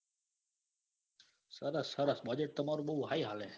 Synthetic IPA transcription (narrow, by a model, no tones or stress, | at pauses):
səɾəsːəɾəsbəd͡ʒəʈ̚t̪əmaːɾuɓəuɦaːiɦaːlẽː